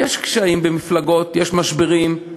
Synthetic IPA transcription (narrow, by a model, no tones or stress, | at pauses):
eʃkʃaimbemiflaɡo̞tjeʃmaʃbeʁim